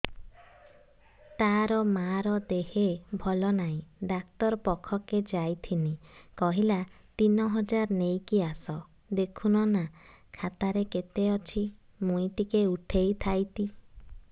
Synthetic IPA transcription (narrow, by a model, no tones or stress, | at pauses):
t̪aɾɔmaɾɔd̪eɦebʱɔlɔnaĩɖakt̪ɔɾpɔkʰɔked͡ʒajt̪ʰinikɔɦila | t̪inɔɦɔd͡ʒaɾnejkiasɔ | d̪ekʰunɔna | kʰat̪aɾeket̪eɔt͡ʃʰi | mujʈikeuʈʰejt̪ʰajt̪i